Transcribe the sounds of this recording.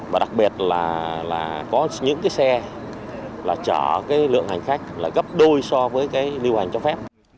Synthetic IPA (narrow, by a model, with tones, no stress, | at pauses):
vaː˨˩ɗa˨˩k̚ɓi˨˩ət̚laː˨˩la̰ː˨˩kɔ˨˦ɲɨ̰˧˥ŋkaː˨˦jsɛ˧ | laː˨˩t͡ɕəː˧˩kaː˨˦jlɨ̰˧˨əŋha˨˩jŋ̟xa˦˥jk̟̚laː˨˩ɣə˦˥p̚ɗo˧jsɔ˧vəː˨˦jkaː˨˦jli˧wha˨˩jŋ̟t͡ɕɔ˧fɛ˦˥p̚